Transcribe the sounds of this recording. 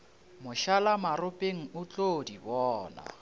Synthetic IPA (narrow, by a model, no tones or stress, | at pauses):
mʊʃalamarʊpʼeŋ̩ʊt͡ɬʼodibɔːna̰